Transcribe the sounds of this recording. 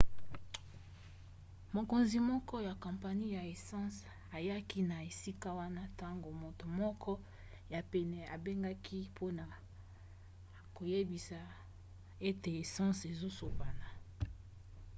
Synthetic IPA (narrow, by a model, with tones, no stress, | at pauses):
mo˨ko˨nzi˨mɔ˦kɔ˦ja˨kɔ̃˨mpa˨ni˦ja˨e˨sɑ̃˦s | a˨ja˦ki˦na˨e˨si˦ka˦wa˦na˦ta˦ŋɡo˨mo˨to˨mɔ˦kʰɔ˦ | ja˨pɛ˨nɛ˨a˨be˦ŋɡa˦kʰi˦pʰo˦na˨ | ko˨je˦bi˨sa˨ | e˦te˨e˨sɑ̃˦se˨zo˦so˨ba˨na˨